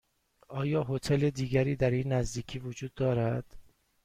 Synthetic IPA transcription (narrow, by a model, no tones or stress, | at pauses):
ʔɒːjɒːɦo̞t̪ʰeled̪iːɡæɾiːd̪æɾiːnːæzd̪iːcʰiːvod͡ʒuːd̪ːɒːɾæd̪̥